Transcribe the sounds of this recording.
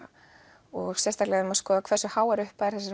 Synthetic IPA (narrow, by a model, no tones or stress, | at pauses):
ɔɣsjɛst̪aklɛaʏmaðskɔːðakʰvɛrsʏhaːwɛɾʏhpajɾθɛsɪ